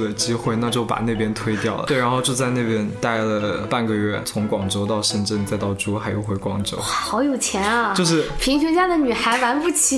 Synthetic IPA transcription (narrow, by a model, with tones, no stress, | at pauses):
d̪ə˨˩t͡ɕi˥xwe˥˧ɪna˥˧t͡ɕjo˥˩ʊpa̰˨˩ne˥˩ɪpjɛ˥nt̪ʰwe˥ɪt̪jɑ˥˩ʊlətwe˥˩ɪɻa˧˥nxo˥˧ʊt͡ɕjo˥˧ʊt͡sa˥˧ɪne˥˩pjɛ˥nt̪a˥˩ɪlə˩pa˥˩nɡə˩ɥɛ˥˩t͡sʰʊ˧˥ŋkwɑ˨˩ŋʈ͡ʂo˥ʊt̪ɑ˥˧ʊʂə˥˧nʈ͡ʂə˥˧nt͡sa˥˧ɪt̪ɑ˥˩ʊʈ͡ʂu˥xa˧˥ɪjo˧˥ʊxwe˧˥ɪkwɑ˥ŋʈ͡ʂo˧˥ʊ˩xɑ˧˥ʊjo˨˩ʊt͡ɕʰjɛ˧˥nɐ˧t͡ɕjo˥˧ʊʂ̬ɻ̩˥˩pʰi˧˥ŋɕɛ˧˥t͡ɕja˥d̪ə˨ny˨˩xa˧˥ɪwa˧˥npu˥˩t͡ɕʰi˧˥